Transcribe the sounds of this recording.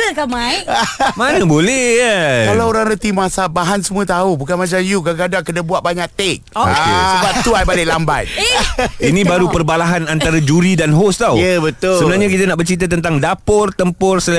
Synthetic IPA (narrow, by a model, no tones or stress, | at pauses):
əkamajmanəbolɛhjkalaoɾaŋɾət̪imasabaɦansəmũət̪aubukanmãt͡ʃamjuɡaɡadaŋkədabuaʔ̚baɲaʔ̚t̪ek̚o̰kesəbap̚t̪uajbalɪʔlamba̰t̪̚ | inĩbaɾupərbalaɦanant̪aɾad͡ʒuɾidanɦost̪awjəbət̪ʊsəbənarɲakit̪anaʔbərt͡ʃit̪̬at̪ənt̪aŋdapʊrt̪əmpʊrsəl